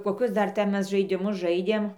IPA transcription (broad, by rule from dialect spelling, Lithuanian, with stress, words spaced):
koːˈkʲʊs ˈdɐr ˈtʲɛn ˈmʲɛs ʒɐɪdʲɪˈmʊs ˈʒɐɪdʲeːm